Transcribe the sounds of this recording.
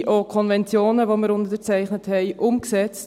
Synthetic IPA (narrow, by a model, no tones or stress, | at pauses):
ʔokʰɔnvɛnt͡sjoːnəʋoməɾʊndədət͡sɛɪχnəthɛɪʔʊmksɛt͡st